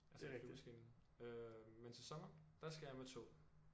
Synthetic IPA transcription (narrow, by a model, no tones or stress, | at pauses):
ælseesɡ̥ḭːn | øment͡sʰe̝sɒmɐd̥ɑsɡ̥æjɑmet͡sʰo̝̰ː